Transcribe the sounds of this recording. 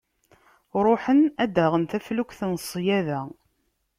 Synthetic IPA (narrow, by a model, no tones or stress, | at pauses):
ɾˤoħənæd̪aʁənθæflukʷθnəsˤːjæðæ